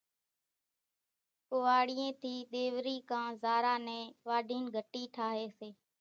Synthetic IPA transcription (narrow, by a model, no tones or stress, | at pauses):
koːaːɽijẽːt̪ʰiːɗ̪eːʋɾiːkãːzaːɾaːnɛ̃ːʋaːɖʱiːnɡʱəʈiːʈʰaːɦeːseː